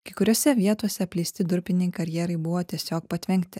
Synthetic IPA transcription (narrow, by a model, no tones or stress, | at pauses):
kɐɪkʊɾʲoːsʲɛʋʲiɛt̪uɔsʲɛpʲlʲiːsʲt̪ʲɪd̪ʊɾʲpʲɪnʲɛɪkɐɾʲjɛɾɐɪbʊʋoːt̪ʲiɛsʲoːk̚pɐt̪ʲʋʲɛŋʲkt̪ʲɪ